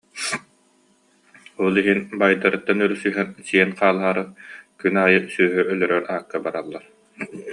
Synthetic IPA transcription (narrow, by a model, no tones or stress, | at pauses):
ɔlˠiɦinbajd̪aɾɯt̪ːanœɾysyɦɛnsiɛnqaːlˠɦaːɾɯkynaːjɯsyːɦœʔœlœɾœɾaːkːabaɾalˠːaɾ